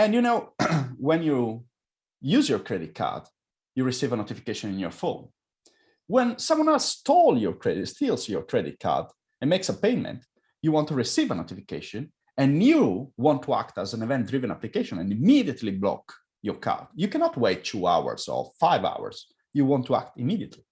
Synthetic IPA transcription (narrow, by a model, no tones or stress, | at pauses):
ɛ̃njunoʊwɛ̃nju | juzjɔɹkʰɹɛdit̪̚kʰa̰ɹd | juɹisivənot̪ifi̥keʃɔ̃nĩnjɔɹfõ̰n | wɛ̃nsãmwʌ̃nɛlsst̪ʰɔljɔɹkʰɹɛditst̪ilˠzjɔɹkʰɹɛdɪ̰t̪̚kʰa̰d | ɛ̃nmeksəpeɪmɛ̰̃nt | juwɔ̃nt̪uɹisivənot̪ifikḛʃɔ̃n | ɛ̃njuwɔ̃nt̪ʰːua̰kt̪əzæ̃nɛvɛ̃nt̚d̪ɹivɛ̃na̰plikeʃɔ̃nɛ̰̃nimid̪iət̪ʰliblɔ̰k | jɔɹkʰa̰ɹd̪jukɛ̃nɔt̪weɪtːʰua̰wə̰ɹzɔ̰faɪva̰wə̰ɹz̥ | juwɔ̃nt̪ʰːua̰k̚t̪imidiət̪ʰli